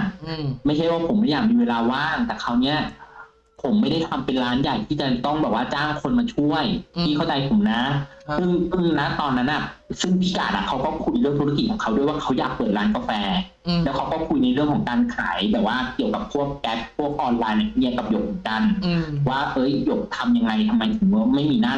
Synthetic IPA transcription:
ma˥˩jt͡ɕʰa˥˩jwaː˥˩pʰo˨˩˦ma˥˩jaː˨˩k̚miː˧weː˧laː˧waː˥˩ŋt̪ɛː˨˩kʰa˦˥wni˦˥ɐ | pʰo˩˦mːa˥˩jda˥˩jt̪ʰa˧mpe˧nɾaː˦˥nja˨˩jt̪ʰiː˥˩t͡ɕa˨˩t̪ɔ˥˩ŋbɛː˨˩waː˥˩t͡ɕaː˥˩ŋkʰo˧nmaː˧t͡ɕʰu˥˩əjt̪ʰiː˥˩xʰa˥˩wt͡ɕa˧jpʰo˨˩˦mna˦˥sɯ˥˩ŋʔɯ˧˩na˦˥t̪ɔː˧nːa˦˥nʔa˨˩sɯ˥˩ŋpʰiː˦˥˩kaː˨˩t̪ʔa̰˨˩kʰa˦˥wkɔː˥˩kʰu˧jɾɯ˥˩ŋt̪ʰu˦˥k̬i˨˩kʰɔː˨˩˦ŋkʰa˦˥du˥˩əjwaː˥˩kʰa˦˥wjaː˨˩k̚pɤː˨˩t̪̚ɾaː˦˥nka˧fɛː˧ | lɛː˦˥wkʰa˦˥wkɔː˥˩kʰu˧jna˧jɾɯ˥˩əŋkʰɔ˩˦ŋkaː˧nkʰa̰ː˩˦jbɛː˨˩waː˥˩ki˨˩əwka˨˩p̚kʰu˥˩əkːɛː˦˥p̚pʰːu˥˩ək̚ʔɔː˧nlaː˧jna˧˥˩ni˥˩ka˨˩p̚jo˨˩k̚mɯ˩˦nka˧nwaː˥˩ʔɤ˦˥˩jːo˨˩k̚t̪ʰa˧mja˧ŋːa˧jt̪ʰa˧mːa˧jt̪ʰɯ˨˩˦ŋ˥˧ma˥˩jmiː˧naː˥˩

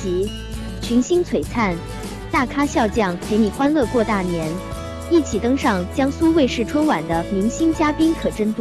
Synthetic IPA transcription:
t͡ɕi˧˥ | t͡ɕʰy˧˥nɕi˥ŋt͡sʰwe˨˩ɪt͡sʰa˥˩n | t̪a˥˩kʰa˥ɕjɑ˥˧ʊt͡ɕjɑ˥˩ŋkʰe˧˥ɪni˨˩xwa˥nlɤ˥˧kwɔ˥˧t̪a˥˩njɛ˧˥n | i˥˩t͡ɕʰi˨˩t̪ɤ˥ŋʂɑ˥˧ŋt͡ɕjɑ˥ŋsu˥we˥˧ʂɻ̩˥˩ʈ͡ʂʰwə˥nwa˨˩nd̪ə˦mi˧˥ŋɕi˥ŋt͡ɕja˥pi˥nkʰɤ˨˩ʈ͡ʂə˥nt̪u˥˩

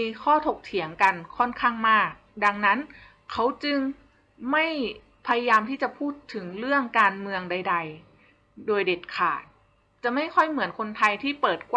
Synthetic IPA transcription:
kʰɔː˥˩t̪ʰo˨˩k̚t̪ʰi˩˦əŋka˧nkʰɔ˥˩nkʰaː˥˩ŋmaː˥˩k̚da˧ŋna˦˥n | kʰːa˦˥wt͡ɕɯ˧ŋ | ma˥˩j | pʰa˧ja˧jaː˧mt̪ʰiː˥˩t͡ɕa˨˩pʰuː˥˩t̪ʰːɯ˩˦ŋɾɯ˥˩əŋkaː˧nmɯ˧əŋda˧jda˧j | doː˧jde˨˩t̪̚kʰa̰ː˨˩t̪̚ | t͡ɕa˨˩ma˥˩jkʰɔ˥˩jmɯ˩˦ənkʰo˧nt̪ʰa˧jt̪ʰiː˥˩pɤː˨˩t̪̚kw

